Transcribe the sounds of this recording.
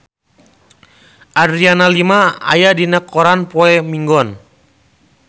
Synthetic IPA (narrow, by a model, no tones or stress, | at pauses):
ʔadɾianalimaa̰jadinakːɔɾanpɔɛmiŋɡɔn